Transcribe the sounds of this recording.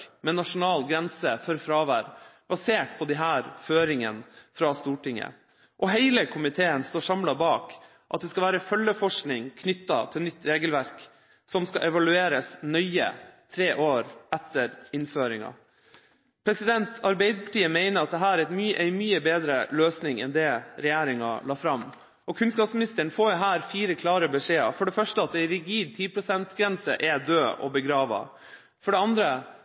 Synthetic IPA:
mɛnɑʂʊnɑːlɡɾɛnsəfœɾfɾɑːʋæːɾb̥ɑseːʈpʰɔd̪ɛɦæːɾføːɾɪŋə̰nfɾɑst̪uːʈɪŋːə̰ | ʔɔɦæɪləkʰʊmɪt̪ʰeːənst̪oːʂɑmlɑbɑːk | ʔɑt̪̚d̪ɛskɑlʋæːɾəfœlːəfɔʂknɪŋkʰnʏt̪ːɑ̰t̪ʰɪlnʏt̪ːɾeːɡəlʋæɾk | sɔmskɑʔɛʋɑlʉeːɾəsnœʏə̰t̪ʰɾeːʔoːɾæt̪ːəɾɪnføːɾɪŋɑ̰ | pʰɾɛsɪd̪ɛnt̪ʰɑɾbæɪd̪əpʰɑ̥ʈiːəmeɪnəɾɑt̪̚d̪ɛɦæːɾɛmyːʔɛɪmyːəbeːd̪ɾəløːsnɪŋɛ̰nd̪ɛɾɛjæːɾɪŋɑ̰lɑːfɾɑmː | ɔkʰʉnskɑːpsmɪnɪst̪əəɳfoːjʊɦæːɾfiːɾəkʰlɑːɾəbɛʂeːɑ̰fɔɖɛfœʂʈəɑt̪̚d̪ɛɪɾɪɡiːd̪̚t̪ʰiːpʰɾʊsɛnt̪ɡɾɛnsə̰ʔɛd̪øːɔ̰bəɡɾɑːʋɑ̰ | fɔɖɛɑnd̪ɾə

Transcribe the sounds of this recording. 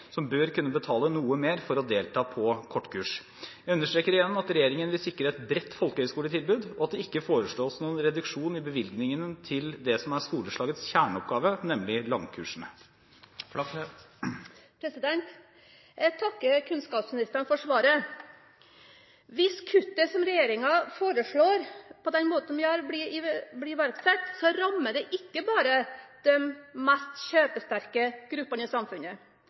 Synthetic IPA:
sɔmbøɾkʉnːəbət̪ʰɑːlənuːəmeːɾfɔɾɔd̪eːlt̪ʰɑːpʰɔkʰɔʈːkʰʉːʂ | jæɪʉnːəʂʈɾeːkəɾɪjɛnːɔmɑt̪ɾɛjeːɾɪŋənʋɪlsɪkːɾəɛt̪bɾɛt̪ːfɔlkəhœʏskuːlət̪ʰɪlbʉːd̪ɔɑt̪̚d̪ɛɪkːəfoːɾəʂɭoːɔsnuːənɾɛd̪ʉkʂuːnɪbəʋɪlɡnɪŋənt̪ʰɪld̪ɛsɔmæɾskuːləʂɭɑːɡət̪sçæːɳəɔp̚ɡɑːʋənɛmːlɪlɑŋkʰʉ̰ːʂəɳə | pʰɾɛsɪd̪ɛnt̪ | t̪ʰɑkːəkʰʉnskɑːpsmɪnɪst̪əɳfɔʂʋɑːɾə | ʋɪskʰʉt̪ːəsɔmɾɛjeːɾɪŋɑfoːɾəʂɭoːɾpʰɔd̪ɛnmoːt̪n̩ʋɪhɑɾbliɪblɪʋæɾɡsɛt̪ːsɔɾɑmːəɖɛʔɪkːəbɑːɾəd̪̥ɛmmæst̪ɕøːpəst̪æɾkəɡ̥ɾʉpːəɳəɪsɑmfʉnə

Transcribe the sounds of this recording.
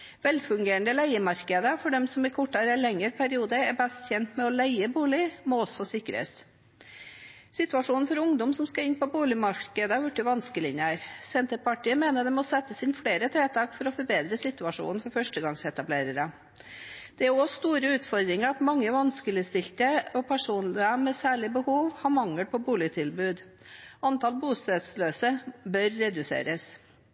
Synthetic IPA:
ʋɛlfʉŋɡeːɳd̪əlæɪəmɑɾkəd̪əfɔɖɛmsɔmɪkʰɔʈːɑɾɛlɛŋːəɾpʰæɾɪuːd̪əæɾbæst̪çɛnt̪mɛɔlæɪəbuːlɪmɔɔsːɔsɪkːɾə̰s | sɪt̪ʉɑʂuːnn̩fɔɾʊŋd̪ɔmsɔmskɑɪnːpɔbuːlɪmɑɾkəd̪əɑɾjɔʈːɪʋɑnskəlɪnjəæɾsɛnt̪əpɑʈiːəmeːnəd̪ɛmɔsɛt̪ːəsɪnfleːɾət̪ʰɾeːt̪ʰɑːkfɔɾɔfɔɾbeːd̪ɾəsɪt̪ʉɑʂṵːnn̩fɔɾfœʂʈəɡɑŋsɛt̪ɑbleːɾəɾə | d̪̥ɛæɾɔst̪uːɾəʉːt̪fɔɾd̪ɾɪŋəɾɑt̪mɑŋːəʋɑnskəlɪst̪ɪlt̪əɔpʰæʂuːnlɪəmɛsæːɭɪbəhuːʋhɑɾmɑŋːəlpɔbuːlɪt̪ʰɪlbʉːd̪ | ɑnt̪ɑlbuːst̪ɑd̪sløːsəbœɾːɛd̪ʉsḛːɾəs

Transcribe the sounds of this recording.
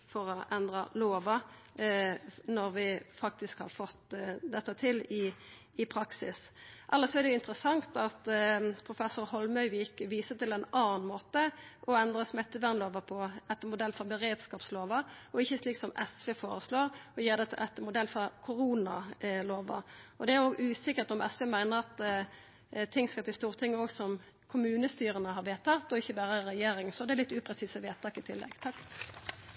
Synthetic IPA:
fɔɾɔʔɛnd̪ɾɑloːʋɑ | nɔɾʋɪfɑk̚t̪ɪskhɑ̰ʁfɔt̪ːd̪ɛt̪ːət̪ʰɪlɪ | ɪpʰɾɑksɪsʔɛlːəsɔɛʁd̪ɛjʊɪnt̪əɾəsɑŋt̪ɑt̪pʰʁʊfɛsʊɾhɔlmœʏʋɪkːʋiːsət̪ɪlɛnɑːnnmoːt̪əʔɔɛnd̪ɾəsmɛt̪ːəʋæʁnloːʋɑpʰɔɛt̪ːəmʊd̪ɛlfɔbəʁeːd̪skɑːpsloːʋɑɔɪçːəsliːksɔmɛsʋeːfoːɾəsloːɾɔjeːʁd̪ɛt̪ʰɪlʔɛt̪ːəmʊd̪ɛlːfɔʁkʰʊɾuːnɑloːʋɑ̰ɔd̪ɛæʁoːɡʉːsɪkːəʁt̪ɔmʔɛsʋeːmæɪnəʁɑt̪ | t̪ʰɪŋːskɑt̪ɪst̪uːʁt̪ʰɪŋːəɔːɡsɔm | kʰʊmʉːnəst̪yːʁənəɦɑʁʋeːt̪ʰɑt̪ːɔɪçːəbæːʁəʁɛjeːɾɪŋsɔd̪ɛælɪt̪ːʉːpʰʁɛsiːsəʋeːt̪ʰɑːkɪt̪ʰɪlːɛ̰ɡt̪ʰɑk

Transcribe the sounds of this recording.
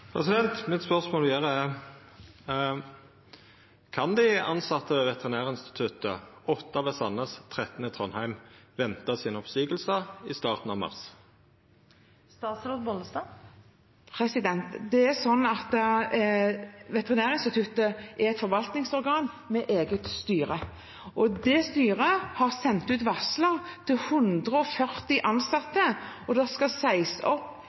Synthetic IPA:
pʰʁɛ̰sɪd̪ɛnt̪mɪt̪spœʁsmoːljæːʁəɛ | kʰɑnd̪ɪɑnsɑt̪ːəʋɛt̪əʁɪnæːʁɪnst̪ɪ̥t̪ʰʉt̪əɔt̪ːɑʋɛsɑnəst̪ʰʁɛt̪ənət̪ʰʁɔnhæɪmʋɛnt̪ɑsɪːnɔpsiːɡəlsəɪst̪ɑːʁt̪n̩ɑʋmɑ̰ʁs | st̪ɑːt̪sɾoːd̪bɔlnəsd̪ɑː | pʰʁɛsɪd̪ɛnt̪d̪ɛæsɔnːɑt̪ | ʋɛt̪ɛʁɪnæːʁɪnst̪ɪt̪ʰʉt̪əʔæɛt̪fɔʁʋɑlt̪nɪŋsɔʁɡɑːn | mɛʔeːɡət̪st̪yːʁə | ʔɔd̪ɛst̪yːʁəhɑʁsɛnt̪ʉːt̪ʋɑsləʁt̪ʰɪlhʉnd̪ʁəɔfœʁt̪ɪʔɑnsɑt̪ːəɔd̪ɛskɑsæɪsɔpː

